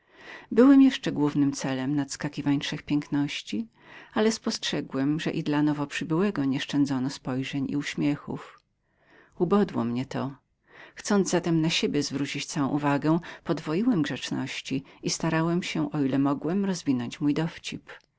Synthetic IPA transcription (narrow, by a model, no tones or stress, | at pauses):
bɘwɛmjɛʂt͡ʂɛɡwuvnɘmt̪sɛlɛmnat̪skakʲivaɲʂɛxpʲjɛŋknɔɕt͡ɕi | alɛspɔstʂɛɡwɛmʐɛ̰ʔid̪lanɔvɔpʂɘbɘwɛɡɔɲɛʂt͡ʂɛnd̪zɔnɔspɔjʐɛɲḭuɕmʲjɛxṵf | ubɔd̪wɔmɲɛt̪ɔ | xt̪sɔnd̪zzat̪ɛmnaɕebʲjɛzvɾut͡ɕit͡ɕt̪sawɔ̃ʔuvaɡɛpɔd̪vɔjiwɛmɡʐɛt͡ʂnɔ̰ɕt͡ɕiist̪aɾawɛmɕɛʔɔilɛmɔɡwɛmɾɔzvʲinɔɲt͡ɕmujd̪ɔft͡ɕip